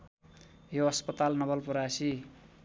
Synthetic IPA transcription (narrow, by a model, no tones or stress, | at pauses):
joʌspʌt̪alnʌbʌlpuɾasi